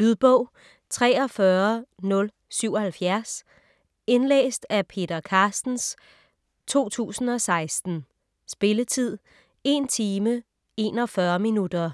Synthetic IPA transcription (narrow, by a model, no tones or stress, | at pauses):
lyðˠb̥ɔ̽ʊ̰ | t͡sʰʁɛːɒ̽fɶɐnɔ̽l | syʊ̰ɒ̽hælfjæɐs | e̝nlḛːsd̥æpʰe̝̰ːd̥ɐkʰɑ̈ːsd̥n̩s | t͡sʰo̝̰ːt͡sʰṵːsn̩ɒ̽sɑ̈ɪsd̥n̩ | sb̥e̝lət͡sʰið̞̰ˠ | e̝nt͡sʰiːmə | e̝nɒ̽fɶɐminud̥ɐ